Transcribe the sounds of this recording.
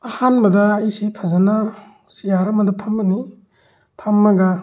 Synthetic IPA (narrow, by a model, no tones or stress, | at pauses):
ɐhanbɐdɐːisipʰɐzɐna | sijaɾɐmɐdɐpʰɐmbɐni | pʰɐmːɐɡa